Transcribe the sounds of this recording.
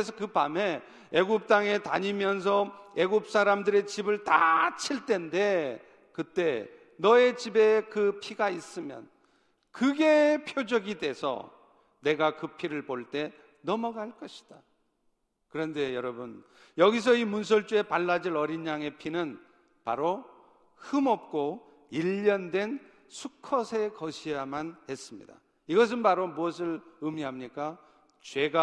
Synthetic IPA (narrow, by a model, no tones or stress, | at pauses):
es̬ʰʌkɯpame̞ | eɡup̚t͈aŋe̞ta̰ɲimjʌns̬ʰʌe̞ɡup̚s͈aɾamdɯɾe̞t͡ɕibɯɭta̰t͡ɕʰiɭt͈e̞nde̞ | kɯt͈e̞ | nʌe̞t͡ɕibe̞kɯpʰiɡais͈ɯmjʌ̰n | kɯɡe̞pʰjod͡ʑʌɡidwe̞sʰʌ̰ | ne̞ɡakɯpʰiɾɯɭpoɭt͈e̞ | nʌmʌɡaɭk͈ʌɕʰi̥d̥a | kɯɾʌndejʌɾʌbun | jʌɡis̬ʰʌimuns̬ʰʌɭt͡ɕ͈ue̞paɭːad͡ʑiɾʌɾiɲaŋe̞pʰinɯn | pa̰ɾo | hɯmʌp̚k͈o | iʎːʌndwe̞n | sʰukʰʌsʰe̞kʌɕʰijamanhe̞s͈ɯmɲḭda̰ | iɡʌs̬ʰɯnpaɾomuʌs̬ʰɯɭɯmiɦamɲik͈a | t͡ɕwe̞ɡa